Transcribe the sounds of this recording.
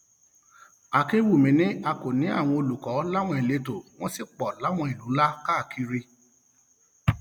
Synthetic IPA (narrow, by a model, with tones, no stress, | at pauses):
a˨ke˦wu˦˨mĩ˨˦nĩ˦a˧ko˨nĩ˨˦a̰˦˨w̃ɔ̃˧o˧lu˨kɔ˨˦la˦w̃ɔ̃˧˦i˨le˨˧to˨w̃ɔ̃˦si˦˨k͡pɔ˨la˨˦w̃ɔ̃˧i˨lu˨˦la˦ka˦˨kʰi˧ɾi˧